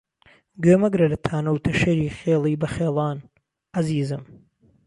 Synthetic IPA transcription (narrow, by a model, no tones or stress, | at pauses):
ɡøːmɐɡɾɐlɐt̪ʰaːnɐwt̪ʰɐʃɐɾiːxeːlˠiːbɐxeːlˠɑːn | ɐziːzɨm